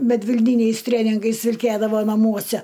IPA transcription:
mʲɛdʲʋʲɪlʲˈnʲiːnʲɛɪs ˈtʲrʲeːnʲɪŋɡɐɪs ʋʲɪlʲˈkʲeːdɐʋoː nɐˈmuɔsʲɛ

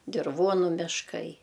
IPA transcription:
dʲɪrˈʋuɔnʊ mʲɪʃˈkɐɪ

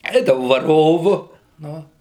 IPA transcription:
ˈɛɪdɐʋɐʊ ʋɐˈroːʋʊ ˈnʊ

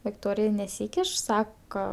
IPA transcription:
ʋʲɪkˈtoːrʲɪjɛ nʲɛˈsʲiːkʲɪʃ sɐkɐ

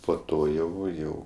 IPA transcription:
poː ˈtoː ˈjɛʊ ˈjɛʊ

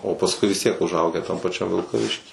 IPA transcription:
oː pɐsˈkʊɪ ʋʲɪs ˈtʲiɛk ʊʒˈɐʊɡʲæː tɐm pɐˈt͡ʃʲɛm ʋʲɪlˠkɐˈʋʲɪʃʲkʲiː

